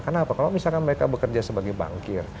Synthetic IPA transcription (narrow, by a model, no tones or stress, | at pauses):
kənapakalawmisalkanməɾekabəkərd͡ʒasəbaɡajba̰ŋkɪr